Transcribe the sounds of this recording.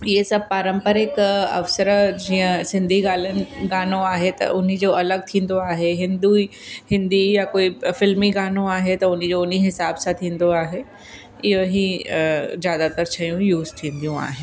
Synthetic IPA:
ɪɦesɐb̚paːɾə̃mpəɾɪkɐ̰ʋsəɾd͡ʑiːə̃sɪ̃nd̪ʱiɡaːlənɪ̆ɡaːnoaːɦet̪ɐ̰ʔʊn̤ĭd͡ʑoːɐləɡ̚t̪ʰĩːn̆d̪oaːɦeɦɪ̃nd̪uihɪ̃nd̪ijakoːifɪlmiɡaːnoaːɦet̪ɐʊn̤ĭd͡ʑoʊn̤iɦɪsaːbsãt̪ʰĩːn̆d̪oaːɦe | ɪjoɦi | zjaːd̪at̪əɾt͡ɕʰɐjũjuːzt̪ʰĩːn̆d̪ijũa̰ːɦɪn

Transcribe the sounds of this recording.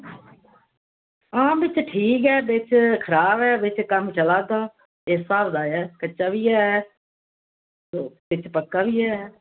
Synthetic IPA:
ãːbɪt͡ʃʈʰiːkɛːbɪt͡ʃkʰəɾaːbɛːbɪt͡ʃkəmt͡ʃəlaːt̪aː | esaːɾd̪aːjɛːkətːʃaːbiːɛː | bɪt͡ʃpəkːaːbiːɛː

